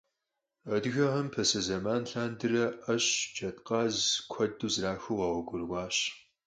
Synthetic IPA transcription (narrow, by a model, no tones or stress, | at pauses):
ɐdɣɐʁɐmpʰɐsɐzɐmaːnɬaːndɨrɐʔɐɕd͡ʒɐtqɑːzkʷʰɐduːzraːxuːʁɐʁɔɡʷʊrwʷɑːɕ